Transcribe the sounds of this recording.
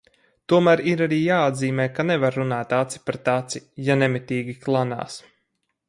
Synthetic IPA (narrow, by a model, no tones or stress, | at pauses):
t̪uɔmæːɾiɾaɾiːjaːad̪ziːmɛːkanɛvaɾːunaːt̪at̪si̥paɾt̪at̪sijanɛmit̪iːɡʲiklˠana̰ːs